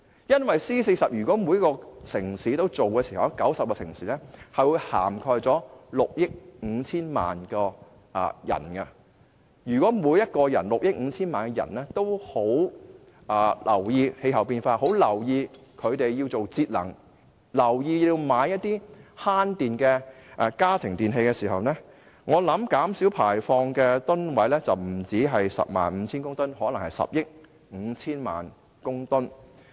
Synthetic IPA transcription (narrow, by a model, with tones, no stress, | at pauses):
jɐ˥nwɐ˨jsiː˥se˧jsɐ˨p̚jyː˨˩kʷɔː˨˥mu˨˧jɐ˥kːɔː˧sɪ˨˩ŋsiː˨˥t̪o˥wt͡so˨wkɛː˧si˨hɐ˨˩wkɐ˨˥wsɐ˨p̚kɔː˧sɪ˨˩ŋsiː˨˥lɛː˥hɐ˨jwuː˨˧jha̰ː˨˩mkʰɔː˧jt͡sɔː˨˥lʊ˨k̚jɪ˥k̚ŋ̩˨˧t͡sʰiː˥nma̰ː˨nkɔː˧ | ʔjɐ̰˨˩nkɐ˧ | jyː˨˩kʷɔː˨˥muː˨˧jɐ˥t̚kɔː˧jɐ˨˩nlʊ˨k̚jɪ˥k̚ŋ̩˨˧t͡sʰiː˥nmaː˨nkɛ˧jɐ̰˨˩nlɛː˥t̪o˥who˨˥w | ʔɐː˨˩lʔɐ̰˨˩wjiː˧he˧jɦɐ˨˩wpiː˧nfaː˧ho˨˥wlɐ˨˩wjiː˧ | kʰɵ˨˧ɥt̪e˨jjiː˧wt͡so˨wt͡siː˧t̚lɐ̰˨˩ŋ | lɐ˨˩wjiː˧ji˧wmaː˨˧jːɐ˥t̚t̪iː˥haː˥nt̪iː˨nkɛ˧ʔɛ˧kaː˥t̪ʰɪ˨˩ŋt̪iː˨˩nɦe˧jkɛ˧siː˨˩ɦɐ˨wnɛː˥ | ŋɔː˨˧lɐ˨˥mkaː˨˥msiː˨˥wpʰaː˨˩jfɔː˧ŋkɛː˧t̪ʊ˥nwɐ˨˥jlɛː˥t͡sɐ˨wm̩˨˩t͡siː˨˥ɦɐ˨jsɐ̰˨p̚ma̰ː˨nm̩˨˧t͡sʰiː˥nkʊ˥ŋt̪ʊ˥nhɔː˨˥lɐ˨˩ŋhɐ˨jsɐ̰˨p̚jɪ˥k̚ | ŋ̩˨˧t͡sʰiː˥nma̰ː˨n | kʊ˥ŋt̪ʊ˥n